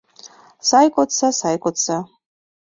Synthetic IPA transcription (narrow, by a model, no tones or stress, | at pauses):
sajkʷʼɔt͡sʰasajkʷʼʊt͡sʰa